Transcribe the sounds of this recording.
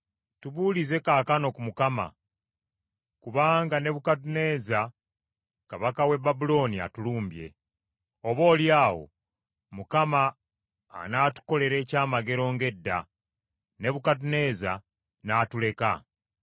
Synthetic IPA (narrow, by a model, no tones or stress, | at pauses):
tuβuːlize̞kaːkano̞kumukama̰ | kuβaːŋɡane̞βukat̬une̞ːza | kaβakawe̞babulo̞nia̰tuluːmbje̞̰ | oβo̞ːljaːwo̞̰ | mukama̰ː | naːtu̥ko̞le̞ɾe̞ːcaːmaɡe̞ɾo̞ːŋɡe̞dːa̰ | ne̞βukat̬une̞ːza | naːtule̞ka̰